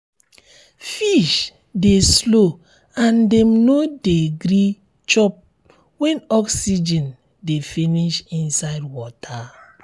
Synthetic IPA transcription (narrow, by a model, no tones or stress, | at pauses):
fiʃ | deslo | ãndɛmnodeɡɾi | t͡ʃɔp̚ | wɛ̃nɔksid͡ʒɛ̃n | definiʃĩnsaɪdwɔtʰa